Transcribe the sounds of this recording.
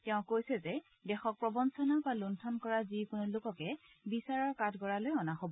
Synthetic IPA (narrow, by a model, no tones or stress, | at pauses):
tɛʊ̃kojsɛzɛ | dɛxɔk̚pɹɔbɔnsɔnabaluntʰɔnkɔɹazikʊnʊlʊkɔkɛ | bisaɹɔɹkatʰɡɔɹalojɔnaxobɔ